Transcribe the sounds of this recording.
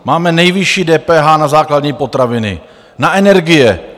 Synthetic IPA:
maːmɛnɛjvɪʃiːdɛːpɛːɦaːnazaːkladɲiːpo̞t̪ɾavɪnɪ̰ | naʔɛnɛɾɡɪjɛ

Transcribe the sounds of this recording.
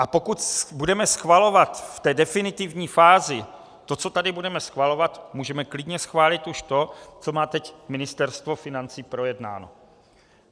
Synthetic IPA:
ʔapo̞kut̪budɛmɛsxvalo̞vat̪ft̪ɛːdɛfɪnɪt̪ɪvɲiːfaːzɪ | t̪o̞t͡so̞t̪adɪbudɛmɛsxvalo̞vat̪muːʒɛmɛklɪdɲɛsxvaːlɪt̪uʃt̪o̞t͡so̞maːt̪ɛcmɪnɪst̪ɛɾst̪vo̞fɪnant͡siːpɾo̞jɛdna̰ːno̰

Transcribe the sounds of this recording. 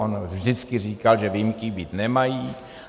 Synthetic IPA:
onvʒdɪt͡skɪr̝iːkalʒɛvɪjmkɪbiːt̪nɛmajiː

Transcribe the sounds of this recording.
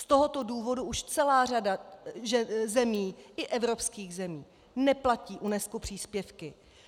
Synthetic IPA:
st̪oɦo̞t̪o̞duːvo̞duʔuʃt͡sɛlaːr̝adaʒɛzɛmiːʔɪʔɛvɾo̞pskiːɣzɛmiː | nɛplaciːʔunɛskupr̝̥iːspjɛfkɪ

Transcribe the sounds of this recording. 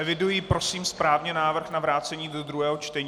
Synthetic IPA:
ɛvɪdujiːpɾo̞siːmspɾaːvɲɛnaːvr̩xnavɾaːt͡sɛɲiːdod̪ɾuɦɛːɦo̞t͡ʃt̪ɛɲː

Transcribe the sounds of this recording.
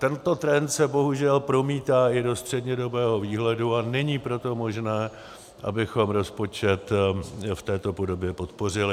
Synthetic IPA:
t̪ɛnt̪o̞t̪ɾɛnt̪sɛbo̞ɦuʒɛlpɾo̞miːt̪aːʔɪdo̞st̪r̥ɛdɲɛdo̞bɛːɦo̞viːɦlɛduanɛɲiːpɾo̞t̪o̞mo̞ʒnɛː | ʔa̰bɪxo̞mɾo̞spo̞t͡ʃɛt̪ft̪ɛːt̪o̞po̞do̞bjɛpo̞t̪po̞r̝ɪlɪ

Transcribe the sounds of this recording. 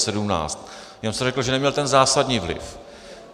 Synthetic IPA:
sɛdumna̰ːt͡st̪ | jamsɛrɛkl̩ʒɛnɛmɲɛlt̪ɛnzaːsadɲiːvlɪ̰f

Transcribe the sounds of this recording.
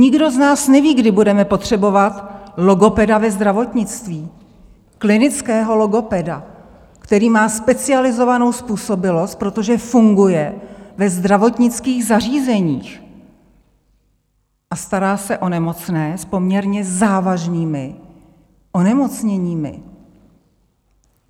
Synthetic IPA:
ɲɪɡdo̞znaːsnɛviːɡdɪbudɛmɛpo̞t̪r̝̥ɛbo̞vat̪lo̞ɡo̞pɛdavɛzd̪ɾavo̞t̪ɲɪt͡st̪viː | klɪnɪt͡skɛːɦo̞lo̞ɡo̞pɛda | kt̪ɛɾiːmaːspɛt͡sɪalɪzo̞vano̞wspuːso̞bɪlo̞st̪̚pɾo̞t̪o̞ʒɛfuŋɡujɛvɛzd̪ɾavo̞t̪ɲɪt͡skiːɣzariːzɛɲiːx | ʔast̪aɾaːsɛʔo̞nɛmo̞t͡snɛːspo̞mɲɛɾɲɛzaːvaʒniːmɪ | ʔo̞nɛmo̞t͡sɲɛɲiːmɪ̰

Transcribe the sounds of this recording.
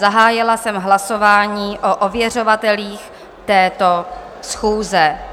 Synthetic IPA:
aɦaːjɪlasɛmɦlasovaːɲiːʔoʔovjɛr̝ovat̪ɛliːx | t̪ɛːt̪o̞ | sxuːzɛ

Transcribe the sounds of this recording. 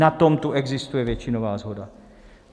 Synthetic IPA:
at̪ɔmt̪uɛɡzist̪ujɛʋɛt͡ʃːinoʋaːzɦɔd̪a

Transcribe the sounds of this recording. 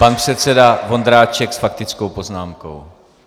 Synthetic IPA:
panpr̝̥ɛt̪t͡sɛdavo̞nd̪ɾaːt͡ʃɛksfak̚t̪ɪt͡skowpo̞znaːmko̰w

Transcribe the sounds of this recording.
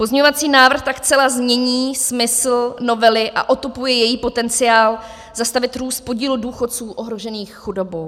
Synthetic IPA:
po̞zɲɲovat͡siːnaːvr̩xt̪akt͡sɛlazmɲɛɲiːsmɪsl̩no̞vɛlɪʔa̰ʔo̞t̪upujɛjɛjiːpo̞t̪ɛnt͡sɪjaːl | zast̪avɪt̪ɾuːst̪̚po̞ɟiːluduːxo̞t̪t͡suːʔoɦɾo̞ʒɛniːxxudo̞bow

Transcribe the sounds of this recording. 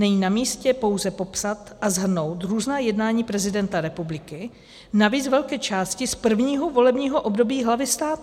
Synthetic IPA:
nɛɲiːnamiːscɛpo̞wzɛpo̞psat̪ʔazɦr̩no̞wt̪ɾuːznaːjɛdnaːɲiːpɾɛzɪdɛnt̪aɾɛpublɪkɪ | naviːt͡svɛlkɛːt͡ʃaːscɪspr̩vɲiːɦo̞vo̞lɛbɲiːɦoʔo̞bdo̞biːɦlavɪst̪aːt̪

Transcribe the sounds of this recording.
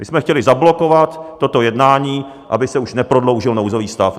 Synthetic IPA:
mɪsmɛxcɛlɪzablo̞ko̞vat̪ːo̞t̪o̞jɛdnaːɲiː | ʔa̰bɪsɛuʃnɛpɾo̞dlo̞wʒɪlnowzo̞viːst̪af

